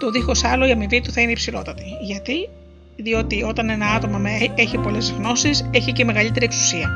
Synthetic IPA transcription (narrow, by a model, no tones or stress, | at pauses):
t̪o̞ðixo̞sɐlo̞iɐmivit̪uθɐineipsilo̞̰t̪ɐt̪iʝɐt̪i | ðio̞t̪io̞t̪ɐne̞nɐɐt̪o̞mɐmeeçipo̞le̞zɣno̞sise̞çice̞me̞ɣɐlit̪e̞ɾieksu̥siɐ